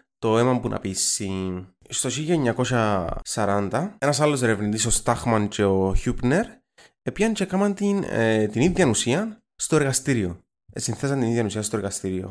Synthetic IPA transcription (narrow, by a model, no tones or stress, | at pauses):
t̪o̞emɐmpunʔɐ̰pisːi | st̪o̞çiʎːɐɲːɐko̞sɐsɐɾɐnd̪ɐe̞nɐsɐlːo̞s̬e̞ɾevnit̪iso̞st̪ɐxmɐnce̞o̞çupneɾ | epjɐnce̞kɐmɐnt̪int̪iniðjɐnusiɐn | st̪o̞e̞ɾɣɐst̪iɾio̞̰ | esinθes̬ɐnt̪iniðjɐnusiɐst̪o̞eɾɣɐst̪iɾio̞̰